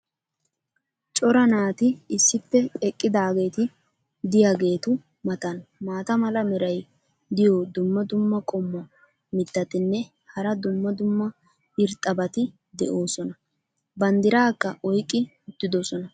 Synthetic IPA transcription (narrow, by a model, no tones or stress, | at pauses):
t͡ʃʼɔɾɐnaːt̪ɪɪsːɪpːɛɛkʼːɪd̪aːɡe̞ːt̪ɪ | d̪ɪjaɡe̞ːt̪ʊ | mɐt̪ɐnmaːt̪ɐmɐlɐmɛɾɐj | d̪ɪjod̪ʊmːɐd̪ʊmːɐkʼɔmːɐ | mɪt̪ːɐt̪ɪnːɛ | hɐɾɐd̪ʊmːɐd̪ʊmːɐ | ɪɾt̪ʼːɐbɐt̪ɪ | d̪ɛʔo̞ːsɔnɐ | bɐnd̪ɪɾaːkːɐʔɔjkʼːɪʊt̪ːɪd̪ɔsɔnɐ